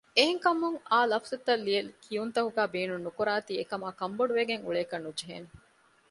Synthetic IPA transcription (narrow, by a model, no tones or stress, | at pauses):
eɦeŋkɐmuŋaːlɐfɐzut̪ːɐlːijɐlkʰijunt̪ɐɦuɡæːbeːnunːukuɾaːt̪iːekɐmaːkɐmboɖuʋeɡeŋṵɭeːkɐnːud͡ʒeɦḛːne